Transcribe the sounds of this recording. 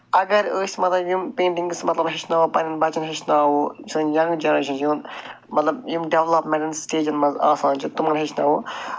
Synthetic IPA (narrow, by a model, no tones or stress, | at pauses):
ɐɡɐɾəːsʲmɐt̪lɐbjumpẽːɳʈĩŋɡsmɐt̪lɐbɦɪt͡ʃʰnɐopɐninbɐt͡ʃɐnɦit͡ʃnaːɦoːt͡ʃʰɨnjɐ̃ŋɡd͡ʒɐnɾeːʃʰɐnjuːn | mɐt̪lɐbjumɖeʋlɐpmẽɳʈɐnsʈeːd͡ʒɐnmɐnzaːsaːnt͡ʃʰit̪umɐnɦit͡ʃʰnɐɦoː